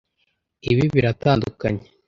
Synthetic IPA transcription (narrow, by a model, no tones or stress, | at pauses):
iβiβiɾataːnduka̰ɲe